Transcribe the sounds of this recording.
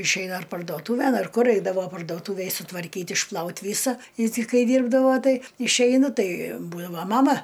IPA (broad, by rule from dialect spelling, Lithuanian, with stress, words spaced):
ɪʃʲˈɛɪnɐ ɐr pɐrdoːˈtuːʋʲɛn ɐr ˈkʊr ˈɛɪdɐʋoː pɐrdoːˈtuːʋʲeːj sʊtʋɐrʲˈkʲiːt ɪʃˈplˠɐʊt ˈʋʲiːsɐ ɪ tʲɪ ˈkɐɪ ˈdʲiːrbdɐʋoː ˈtɐɪ ɪʃʲˈɛɪnʊ ˈtɐɪ ˈbuːdɐʋoː ˈmɑːmɐ